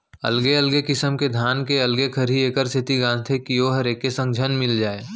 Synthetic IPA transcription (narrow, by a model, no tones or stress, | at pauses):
ɐ̰lɡeɐlɡekɪsəmked̪ʱaːnkeɐlɡekʰəɾieːkəɾsʰɪt̪iɡãːnt̪ʰekijoɦəɾeːkesə̃ŋɡd͡ʒʱənmɪld͡ʒaːeː